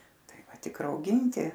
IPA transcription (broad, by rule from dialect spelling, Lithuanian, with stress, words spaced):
ˈtɐɪ ˈʋɐ ˈtʲɪk rɐʊˈɡʲɪnʲtʲɪ